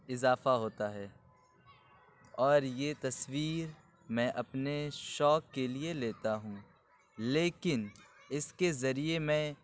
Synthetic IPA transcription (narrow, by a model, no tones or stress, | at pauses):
ɪzaːfaɦoːt̪aɦɛː | ɔːɾjeːt̪ɐswiːɾ | mɛ̃ːʔɐpneʃɔːkːelieleːt̪aɦũː | leːkɪnɪskezɐɾiemɛ̃ː